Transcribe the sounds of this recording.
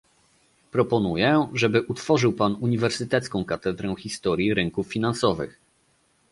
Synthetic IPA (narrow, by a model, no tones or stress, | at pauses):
pɾɔpɔnujɛʐɛbɘʔut̪fɔʐɘwpanuɲivɛɾsɘt̪ɛt̪skɔ̃w̃kat̪ɛd̪ɾɛw̃xʲist̪ɔɾʲjiɾɘŋkufːʲinansɔvɘ̰x